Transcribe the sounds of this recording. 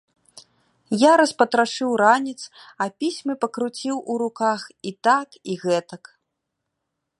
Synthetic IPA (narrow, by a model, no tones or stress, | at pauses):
jaɾɐspɐt̪ɾaʂɨwɾanʲit̪sɐpʲisʲmɨpɐkɾut͡sʲiwʔuɾukaxit̪akiɣɛt̪ɐk